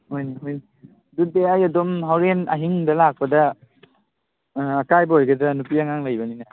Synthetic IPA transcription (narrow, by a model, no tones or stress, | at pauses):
hojniɦojni | dut̚ːeajadomɦawɾena̰ɦiŋdalak̚pada | akajbɦojɡadanupiaŋaŋlajbanina